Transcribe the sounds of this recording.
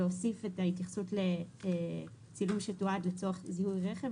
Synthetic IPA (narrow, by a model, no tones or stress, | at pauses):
eosifetaitjaχsutle | t͡silumʃetuadlet͡soaχzihujʁeχev